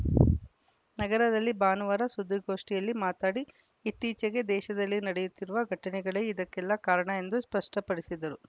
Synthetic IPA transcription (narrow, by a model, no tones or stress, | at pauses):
nɐɡɐɾɐd̪ɐlːibaːnuʋɐɾɐsud̪ʱːiɡo̞ːʂʈijɐlːimaːt̪aːɽiː | t̪ːiːt͡ʃɐɡed̪ɛːʃɐd̪ɐlːinɐɽɛjut̪ːiɾuʋɐɡʱɐʈɐnɛɡɐɭeid̪ɐkːɛlːɐkaːɾɐɳɐe̞nd̪uspɐʂʈɐpɐɽisid̪ɐɾu